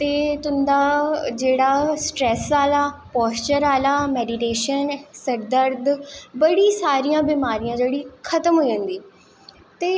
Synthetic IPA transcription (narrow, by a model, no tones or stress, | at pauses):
t̪eːt̪ʊ̃nd̪ad͡ʑeːɽasʈɾɛːsaːlapɔːst͡ɕəɾaːlameːɖiʈeːʃənsɐɾd̪əɾd̪bɐɽisaːɾijãbiːmaːɾijãd͡ʑeːɽixʰɐt̪əmɦuiə̃nd̪iː | t̪e